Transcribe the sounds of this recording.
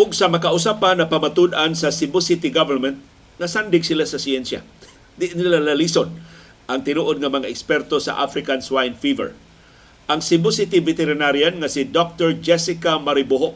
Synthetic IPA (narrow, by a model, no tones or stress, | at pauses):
ʔʊɡ̚samakaʔʊsapanɐpamat̪ud̪ʔansɐsɪmbosit̪iɡavɛɾmɛnt̪̚ | ŋɐsand̪ɪɡsɪlasɐsiɛnsja̰ | d̪ɪʔnilalalison | ʔaŋt̪ɪnuʔod̪̚ŋɐmɐŋaɛkspɛrt̪osa̰ʔa̰fɾɪkanswajnfivɛ̰ɹ | ʔaŋsɪmbʊsit̪ivɛt̪ɛɾɪnaɾjanŋasid̪ok̚t̪ɛɹd͡ʒɛsɪkamaɾɪboɦoʔ